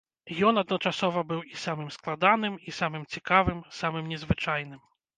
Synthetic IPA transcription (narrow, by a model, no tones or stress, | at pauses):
jɔnɐd̪nɔt͡ʂasɔvɐbɨwisamɨmsklˠad̪anɨmisamɨmt͡sʲikavɨmsamɨmnʲɛzvɨt͡ʂajn̪ɨm